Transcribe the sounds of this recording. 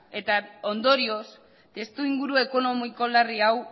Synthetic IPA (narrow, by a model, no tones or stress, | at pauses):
e̞t̪ao̞nd̪o̞ɾio̞s | t̪e̞st̪uiŋɡuɾue̞ko̞no̞miko̞lariaw